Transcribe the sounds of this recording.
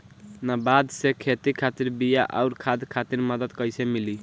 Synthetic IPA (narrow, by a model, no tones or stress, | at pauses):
nabad̪sekʰet̪ikʰat̪iɾbijaʔa̰ʊɾkʰad̪kʰat̪iɾməd̪əd̪kəjsemili